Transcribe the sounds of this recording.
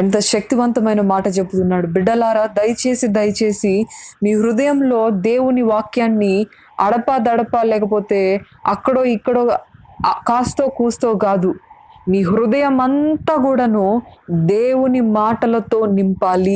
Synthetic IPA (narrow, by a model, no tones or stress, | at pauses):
ɛnt̪ɐʃɐk̚t̪iʋɐnt̪ɐmɐjnɐmaːʈɐt͡ʃepːut̪unːaːɽubiɖːɐlaːɾaːd̪ɐjɐt͡ʃe̞ːsid̪ɐjɐt͡ʃe̞ːsimiːɦɾud̪ɐjɐmlo̞ːd̪e̞ːwuniʋaːkjaːnːi | ɐɽɐpaːd̪ɐɽɐpaːlɛːkɐpo̞ːt̪e̞ː | ɐkːɐɽoːikːɐɽoː | kaːst̪oːkuːst̪oːɡaːd̪umiːɦɾud̪ɐjɐmɐnt̪aːkuːɽaːnud̪e̞ːwunimaːʈɐlɐt̪o̞ːnimpaːli